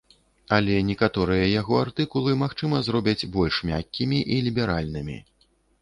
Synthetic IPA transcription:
ɐlʲɛnʲɛkat̪ɔɾɨjɐjaɣɔart̪ɨkulˠɨmaxt͡ʂɨmɐzɾɔbʲɐd͡zʲbɔlʲʂmʲa̰kʲːimʲiʔilʲibʲɛɾalʲnɨmʲḭ

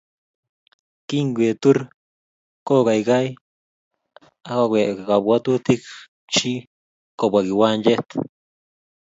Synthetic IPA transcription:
kiŋɡwet̪uɾ | kokajɡaj | akaɡʷekɡabwat̪ut̪ik | t͡ʃi | kobaɡiwand͡ʒet̪

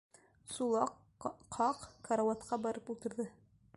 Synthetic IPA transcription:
sulˠɑq | ɑqkɐɾawɑt̪qɑbɑɾɤpulˠt̪ɤ̆ɾðɤ

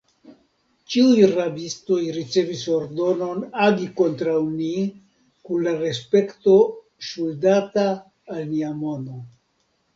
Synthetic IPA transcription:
t͡ʃiujrabisto̞jɾit͡se̞viso̞ɾd̪o̞no̞naɡiko̞nt̪ɾawni | kunlaɾe̞spe̞kto̞ | ʃuldataː | lniamo̞no

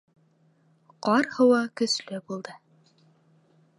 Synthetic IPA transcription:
qɑɾhɤ̆wɑkɵ̆slɵbulˠd̪ɤ

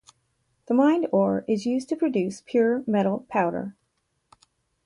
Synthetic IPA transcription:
ðəmãɪ̃ndɔɹɪzjʉztʰɨpʰɹ̥ɨdʉspʰj̥ʊɹmɛɾl̩ˠpʰaʊɾə̰˞

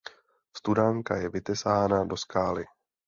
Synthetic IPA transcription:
st̪udaŋkajɛvɪt̪ɛsaːnado̞skaːlɪ

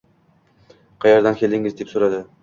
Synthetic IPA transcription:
qʰɑjɑɾd̪ankʲʰe̞ld̪ɪŋʲɪzd̪epsoɾad̪ɪ

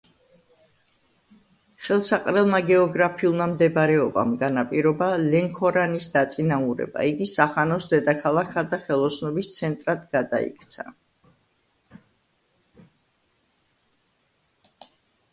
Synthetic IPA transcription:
χɛlˠsaqʼɾɛlˠmaɡɛɔɡɾapʰiulˠmamd̪ɛbɾɛɔba̰mɡanapʼiɾɔbalɛŋkʰɔɾanisd̪at̪sʼinauɾɛ̰ba̰iɡisaχanɔsd̪ɛd̪akʰalˠakʰad̪aχɛlˠɔsnɔbist̪sʰɛnt̪ʼɾad̪ɡad̪a̰ḭkʰt̪sʰa

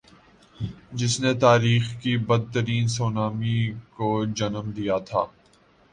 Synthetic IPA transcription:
d͡ʒɪsnet̪aːɾiːxkibɐd̪̚t̪əɾiːnsoːnaːmikod͡ʒɐnmd̪ijat̪ʰa̰ː

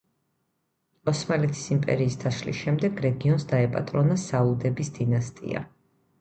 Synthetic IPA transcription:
ɔsmalɛt̪ʰi̥simpʼɛ̰ɾiːsd̪ʰaʃlḭsʃɛmd̪ɛɡɾɛɡiɔnsd̪aɛpʼa̰t̪ʼɾɔnasaud̪ɛbisd̪̥inast̪ʼḭa̰

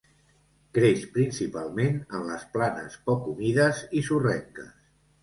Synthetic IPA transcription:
ɡ̥ɾeʃpɾinsipalˠmenənləsplanə̰spɔkumiðəzisurɛŋkə̰s

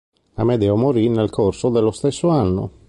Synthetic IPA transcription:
amed̪ɛomoɾinelkʰorsod̪elːost̪esːoanːo̰

